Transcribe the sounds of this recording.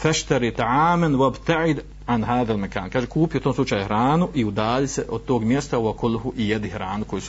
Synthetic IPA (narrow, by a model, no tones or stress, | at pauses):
faʃt̪aɾiːt̪aʕaːmanwabt̪aʕɪd̪ | ʕanɦaːðalmaka̰ːnkaːʒekuːpijot̪oːmslut͡ʃaːjhɾaːnuʔiud̪aːliseʔod̪̚t̪oːɡmjest̪awakulːɦuʔijad̪ɪhɾaːnukojis